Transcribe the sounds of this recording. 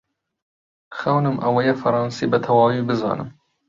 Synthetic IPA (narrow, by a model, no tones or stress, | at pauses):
xɐwnɨmʔɐwɛjɛfɐɾɑːnsibɐt̪ʰɐwɑːwibɨzɑ̰ːnɨ̰m